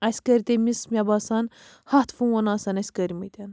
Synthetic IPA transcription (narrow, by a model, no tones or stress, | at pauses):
ɐsʲkəɾʲit̪emʲismʲabaːsɐn | hɐt̪ʰfũwɐnaːsɐnɐsʲkəɾʲimɐjt̪ʲɐn